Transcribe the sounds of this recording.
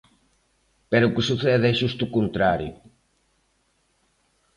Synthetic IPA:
peɾukɪsuθɛðɛʃust̪ukunt̪ɾaɾjṵ

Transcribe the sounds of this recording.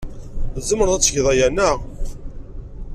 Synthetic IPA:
zəməɾðˤæt͡sːəʝðˤɑjænə

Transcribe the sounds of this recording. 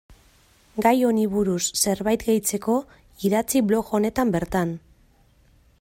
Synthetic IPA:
ɡajo̞niβuɾusːe̞ɾβajt̪ɡe̞jt͡se̞ko̞ | iðat͡siβlo̞ɣo̞ne̞t̪ambe̞ɾt̪an

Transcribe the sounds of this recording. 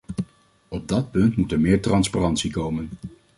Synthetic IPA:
ɔb̚dɑt̚pɵntmutɛɹmɪːɹtrɑnsparɑntsikowmən

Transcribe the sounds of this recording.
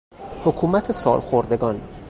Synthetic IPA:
hokʰuːmæt̪ʰesɒ̰ːlxoɾd̪e̞ɡɒːn

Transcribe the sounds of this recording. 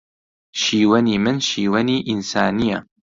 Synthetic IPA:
ʃiːwɐniːmɨnʃiːwɐniːʔinsaːnijɐ

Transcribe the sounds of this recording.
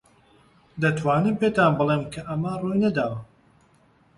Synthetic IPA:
d̪ɐt̪ʰwaːnɨmpet̪aːnbɨlˠemkʰɐʔɐmɐrujnɐd̪aːwɐ

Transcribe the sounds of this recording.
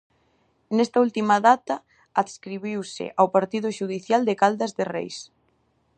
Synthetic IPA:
nest̪ɐult̪imɐðat̪ɐ | aðskɾiβiwsɪ̰ʔawpaɾt̪iðʊʃuð̞iθjald̪ɪkald̪ɐzðɪrḛjs

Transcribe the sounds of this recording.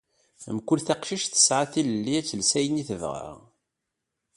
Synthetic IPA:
mkʊlθaqʃiʃθə̥sʕaθiləlːiæt͡sːəlsæjəniθəvʁa̰

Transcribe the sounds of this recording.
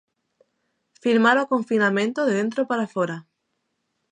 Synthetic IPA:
fiɾmaɾokoɱfinamẽ̞nt̪oðeðe̞nt̪ɾopaɾafoɾa

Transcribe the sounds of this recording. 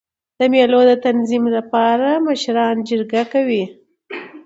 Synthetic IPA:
d̪̥əmjelod̪ət̪anzimlapɑɾaməʃɾɑnd͡ʒəɾɡakawi

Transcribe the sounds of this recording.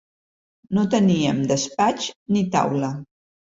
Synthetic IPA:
not̪əniəmd̪əspat͡ʃnit̪a̰wlə

